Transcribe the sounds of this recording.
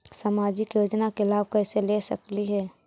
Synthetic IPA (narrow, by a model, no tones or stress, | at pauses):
saːmaːd͡ʒɪkjoːd͡ʒnakelaːb̚kɛːselesəkliɦɛː